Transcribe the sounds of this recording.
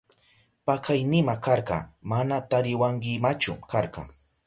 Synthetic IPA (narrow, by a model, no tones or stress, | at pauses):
pakʰajnɪmakɑɾɢɑ̰manat̪aɾɪwaŋkɪmat͡ʃʊ̰kaɾɢɑ̰